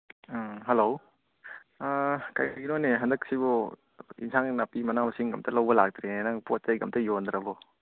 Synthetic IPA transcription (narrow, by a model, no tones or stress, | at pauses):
ɦɐlow | ka̰jɡinɔneɦɐndɐksibɔ | ḭnsʰaŋnapimɐnamɐsiŋɡɐmtʰɐlɐwbɐlak̚t̪ɾenaŋpot̚zajɡɐmtɐjond̪ɾɐbɔ